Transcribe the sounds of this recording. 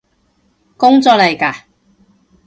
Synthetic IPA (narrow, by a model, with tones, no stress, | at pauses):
kʊ˥ŋt͡sɔː˨k̚lɐ˨jkaː˧